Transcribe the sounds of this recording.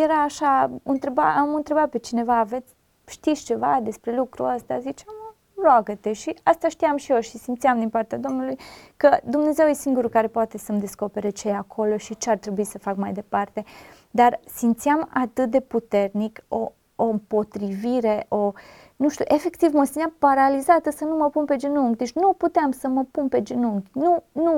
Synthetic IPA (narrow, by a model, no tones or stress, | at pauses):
jeɾaːʃaɨnt̪ɾeba̰amɨnt̪ɾe̞bat̪̚pe̞t͡ʃine̞vaːve̞t̪sʲ | ʃt̪ist͡ʃe̞vad̪e̞spɾe̞lukɾuəst̪azit͡ʃam | roaɡət̪e̞ʃiast̪aʃt̪ijamʃijo̞ʃisimt̪siamd̪inpart̪ead̪o̞mnulujkəd̪umne̞ze̞wjesiŋɡuɾukaɾe̞poat̪e̞səmd̪e̞sko̞pe̞ɾet͡ʃejeakʰo̞lo̞ʃit͡ʃeart̪ɾe̞buisəfakmajd̪e̞part̪e̞ | d̪arsimt̪sijamat̪ɨt̪̚d̪e̞put̪e̞rniko | ompo̞t̪ɾiviɾe̞ʔo | nuʃt̪juʔe̞fe̞kt̪ivmosinapaɾalizat̪əsənuməpunpe̞d͡ʒenuŋɡd̪et͡ʃʲnuput̪eamsəməpunpe̞d͡ʒenuŋɡʲnunu